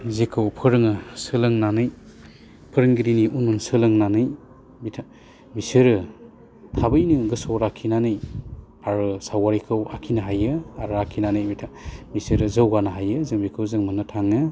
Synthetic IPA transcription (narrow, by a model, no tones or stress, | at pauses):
zekʰɯwpʰɯɾɯŋɯsɯlɯŋnanɯj | pʰɯɾɯŋɡiɾiniʔununsɯlɯŋnanɯj | bitʰa | bisɯɾɯ | tʰabɯjnɯɡɯsɔɾakʰinanɯj | aɾɯsawaɾikʰɯwakʰinɯɦajɯaɾuakʰinanɯjbitʰabisɯɾɯzɯwɡanɯɦajɯzɯŋbikʰɯwzɯŋmɯnɯtʰaŋɯ